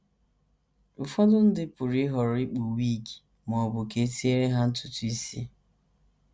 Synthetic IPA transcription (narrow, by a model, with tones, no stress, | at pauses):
ʊ˨fɔ˦dʊ˦n̩˦dɪ˦pʊ˨ɾi˦ɦɔ˨ɾʊ˨˦ɪ˦k͡pu˨wi˦˨ki̥˨ | mɔ˨bʊ˨ke˦ti˦e˦ɾe˦ɦa˦n̩˦tʊ˦tʊ˦i˦si˦